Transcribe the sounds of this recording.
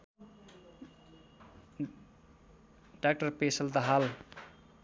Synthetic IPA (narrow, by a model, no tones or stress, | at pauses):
ɖak̚ʈʌrpesʌld̪ʌɦal